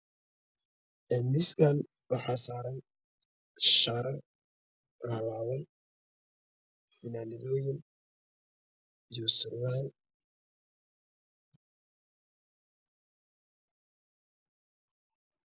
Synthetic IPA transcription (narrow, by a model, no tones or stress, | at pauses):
ʔɛmɪsɡan | wɑħɑːsaːɾɐn | ʃaːɾɐ | rɐlaːwɐn | fɪnaːnɪðɔːjɪn | ijɔsʊrmaːn